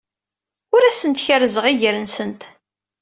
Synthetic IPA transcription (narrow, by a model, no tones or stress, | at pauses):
ʊɾæsənt̪çəɾəzəʁiʝəɾənsənt̪